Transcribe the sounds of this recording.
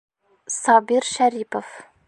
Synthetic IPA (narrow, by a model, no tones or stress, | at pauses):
sɑbiɾʃæɾipof